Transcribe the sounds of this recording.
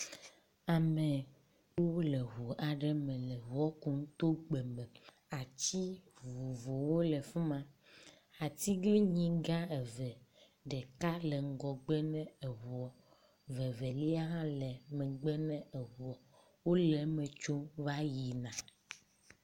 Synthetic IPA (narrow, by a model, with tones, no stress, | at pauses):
a˨mɛ̃˨ | wo˦lɛ˨ɦo˨ʔa˨ɖɛ˦mɛ̃˨lɛ˨ɦu˦ɔ˦ku˨ŋ˦t̪o˦ɡ͡bɛ˨mɛ̃˨ | a˨t͡ɕi˦vvu˨vo˨wo˦lɛ˨fu˦mã˨ | a˨t̪i˦ɡli˦ɲĩ˦ɡã˦ɛ˨vɛ˨ | ɖɛ˨ka˦le˨ŋ̩˦ɡɔ˨ɡ͡bɛ˦nɛ̃˦e˨ɦu˨ɔ˨ | vɛ˨vɛ˨li˦a˦ɦã˦lɛ˨mɛ˨ɡ͡bɛ˦nɛ̃˦e˨ɦu˨ɔ˨ | wo˦lɛ˨mɛ̃˨t͡ʃo˦va˦ji˨nã˨